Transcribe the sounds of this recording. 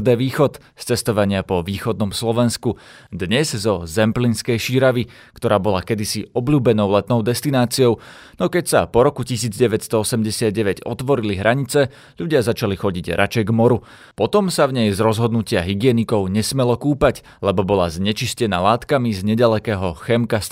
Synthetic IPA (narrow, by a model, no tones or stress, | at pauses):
d̪ɛːʋiːxɔt̪ | st͡sɛst̪ɔʋaɲɪapɔʋiːxɔd̪nɔmslɔʋɛnskud̪ɲɛzzɔzɛmplinskɛjʃiɾaʋi | kt̪ɔɾaːbɔlakɛd̪isiɔbʎuːbɛnɔʊlɛt̪nɔʊd̪ɛst̪inaːt͡siɔʊ | nɔkɛcsapɔɾɔkucisiːd͡zɟɛʋɛcst̪ɔɔsɛmɟɛsɪad̪̚ɟɛʋɛɟɔ̰t̪ʋɔɾiliɦɾʔaɲit͡sɛ | ʎuɟɪazat͡ʃalixɔɟiɟɾʔat͡ʃɛjɡmɔɾu | pɔt̪ɔmsavɲɛjzɾɔzɦɔd̪nucɪaɦiɡɪɛnikɔʊɲɛsmɛlɔkuːpac | lɛbɔbɔlazɲɛt͡ʃiscɛnaːlaːt̪kamizɲɛɟalɛkɛːɦɔxɛmkas